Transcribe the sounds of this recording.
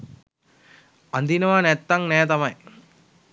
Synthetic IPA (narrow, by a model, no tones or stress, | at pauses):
ɐnd̪inɐʋaːnɛt̪ːɐŋnɛːt̪ɐmɐj